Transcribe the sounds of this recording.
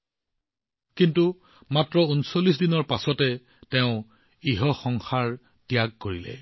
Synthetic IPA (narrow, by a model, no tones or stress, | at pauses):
kintu | matɹɔunsolisdinɔɹpasɔtɛ | tɛʊ̃ | iɦɔxɔŋxaɹ | tjaɡ̚koɹilɛ̰